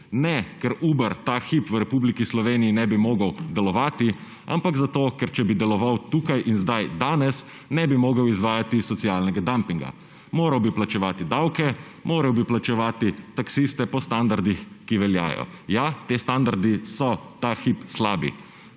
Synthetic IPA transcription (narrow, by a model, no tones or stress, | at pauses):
nɛkɛɾuːbɛɾt̪axipʋɾɛpublikislɔʋeːnijinɛbimoːɡəwd̪ɛlɔʋaːt̪i | a̰mpaɡzat̪oːkɛɾt͡ʃɛbid̪ɛlɔʋawt̪uːkajʔinzd̪ajd̪aːnɛs | nɛbimoːɡəwizʋaːjat̪isɔt̪sijalnɛɡad̪ampiŋɡa̰ | moːɾawbiplat͡ʃɛʋaːt̪id̪awkɛ | moːɾawbiplat͡ʃɛʋaːt̪it̪aksist̪ɛpɔst̪and̪aɾd̪ixkiʋɛlja̰ːjɔ̰jat̪eːst̪and̪aɾd̪isɔt̪axipslaːbḭ